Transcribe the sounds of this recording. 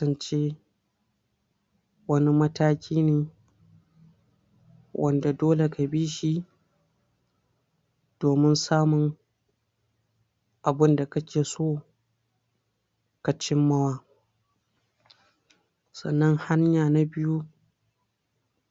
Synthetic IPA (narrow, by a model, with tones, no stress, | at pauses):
ɐ˨nt͡ʃeː˦ | wɐ˦ni˦mɐ˦taː˦kʲiː˦neː˨ | wʔɐ̰˦nda˨doː˦le˨ka˨biː˦ʃi˦ | d̥oː˨mɪ˦nsaː˦mʊ˨n | ʔa˨bɪ˦nda˨kɐ˦kʲeː˨soː˦˨ | ka˨t͡ʃɪ˦mːɐ˦waː˦ | sɐ̰˨nːɐ˦ŋha˦ɲjaː˨na˨bɪ˦ju˦